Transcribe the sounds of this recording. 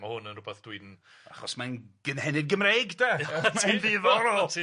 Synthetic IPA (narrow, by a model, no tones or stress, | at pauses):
mahʊnənrʊbɛθd̥wuɨdn | a̰χɔsmanɡ̥ənhɛnɪdɡəmrejɡdamanvɪvɔɾɔːlˠ